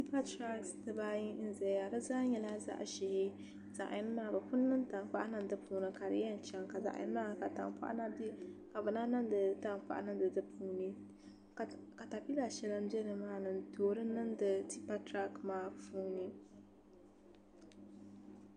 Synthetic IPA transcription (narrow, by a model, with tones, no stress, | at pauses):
ti˦pa˦tɾa˦ksdɨ˨ba˦ɲi˦n̩˦zɛ˨a˨dɨ˦zaː˦ɲɛ˨la˦za̰˦ʔʃɪ˨hɪ˦ | z̥a̰˨ʔa̰˨jɪ˦n˦maː˦˨bɨ˨pʊ˦nː˦ɨ˦n˦ta˨ŋ˦k͡pa˦ʔa˦nɨ˦n˦dɨ˦puː˨nɨ˨ka˨dɨ̰˨˦jɛ˦n̩˨t͡ʃɛ˨ŋka˨za̰˨ʔa̰˨jɪ̰˦n˦maː˦ka˨ta̰˨ŋpa̰˦ʔn˦ka˨bɨ˨na˦nɨ˦ndɨ˨ta˦ŋ˦k͡pa̰˦˨ʔa̰˦nɨ˦ndɨ˨dɨ˦pʰuː˦ni˨ | ka˨ta˨pi˦la˨ʃɛ˦lɨ˦m˦bɛ˦nɨ˨maː˦nɨ˨n˨tʰoː˨ɾɨ˦nɨ˦n˦dɨ˨ti˦pa˦tɾa˦kmaː˦puː˦nɨ˦